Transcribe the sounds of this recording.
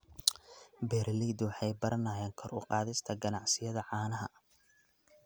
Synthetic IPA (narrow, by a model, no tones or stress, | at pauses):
bɛːɾliːd̪wɑħɑjbɐɾɐnɐːjɛːŋkʰɔrʊ̰qɑːðɪst̪ʰɐɡɐnɑʕsɪjɐðɐʕɑːnɐɦɐ̰